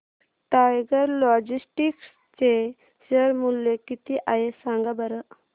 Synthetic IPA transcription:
ʈajɡəɾlɔd͡ʑisʈiks | t͡ɕe | ɕəɾmulːekit̪iʔaɦesaŋɡabəɾə

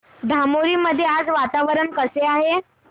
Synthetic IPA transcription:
d̪ʱamoɾiːməd̪ʱːjead͡zʋat̪aʋəɾəɳkəseaɦe

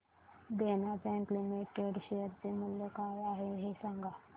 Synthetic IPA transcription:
d̪enabɛ̃ŋklimeʈeɖɕejəɾt͡semuljəkajaɦeɦesaŋɡa

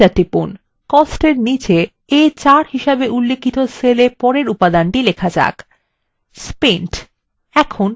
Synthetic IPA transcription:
aʈːipun | kɔsʈeɾnit͡ɕe | et͡ɕaɾɦiʃabeʔulːekʰit̪oselepɔɾeɾupad̪anʈilekʰad͡ʑa̰k | speɳʈ | ɛkʰon

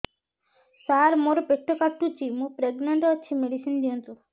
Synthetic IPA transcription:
saɾmoɾɔpekʈʰːokaʈːut͡ʃimũpɾeɡnəɳʈɔːt͡ʃʰimeɖisind̪iũnt̪u

